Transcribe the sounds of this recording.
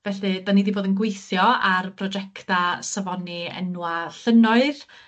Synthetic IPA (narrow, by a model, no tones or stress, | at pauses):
vɛɬɨdaniːdiboːdənɡwejθjɔarpʰrɔd͡ʒɛktasavɔniɛ̰nwaɬənɔɨð